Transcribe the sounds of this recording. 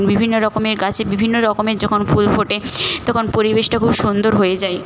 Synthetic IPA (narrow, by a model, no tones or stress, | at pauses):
nbibʱinːoɾɔkomeɾɡat͡ɕʰebibʱinːoɾɔkomeɾd͡ʑɔkʰonfulfoʈet̪ɔkʰonpoɾibeʃʈakʰubʃund̪oɾɦojed͡ʑae